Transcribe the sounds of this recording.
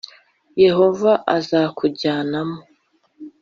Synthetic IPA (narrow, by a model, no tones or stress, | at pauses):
je̞ho̞vaʔazakuɟaːnamo